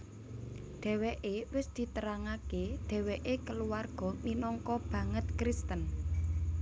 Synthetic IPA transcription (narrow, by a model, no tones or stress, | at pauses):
ɖ̪̥ɛ̤weʔewɪsd̪̥i̤t̪əɾaŋaked̪̥ɛ̤weʔekəluwarɡ̥ɔ̤minɔŋkɔb̥ä̤ŋət̪̚kɾist̪ən